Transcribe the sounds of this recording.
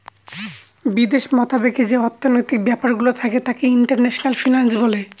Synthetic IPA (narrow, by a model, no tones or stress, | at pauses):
bid̪eʃmɔt̪abeked͡ʑeɔɾt̪ʰːonojt̪ik̚bɛpaɾɡulot̪ʰaket̪akeiɳʈaɾnɛʃonalfinansbɔle